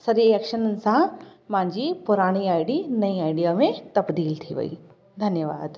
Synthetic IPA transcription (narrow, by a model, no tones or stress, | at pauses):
sɐɾiekʃənənɪ̆sãmãɲd͡ʑipʊɾaːɽ̃iaːiɖiːnɐiaːiɖijaːmẽt̪ɐbd̪iːlt̪ʰiʋɐ̰ḭː | d̪ʱɐnjəʋa̰ːd̪